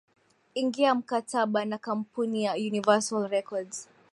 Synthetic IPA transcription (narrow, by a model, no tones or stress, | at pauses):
iŋɡiam̩katʰaɓanakampunijajunivɛsalɹɛkɔdz̥